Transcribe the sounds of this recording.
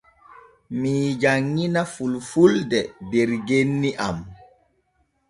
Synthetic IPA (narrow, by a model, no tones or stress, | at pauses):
miːd͡ʒaŋːinafulfuldɛdɛɾɡenːiʔam